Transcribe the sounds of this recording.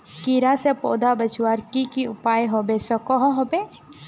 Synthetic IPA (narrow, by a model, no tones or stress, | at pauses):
kiɾasepo̰ːd̪abət͡ʃwaɾkikiʊpaːjɦobesɔkɔɦɔɦoːbe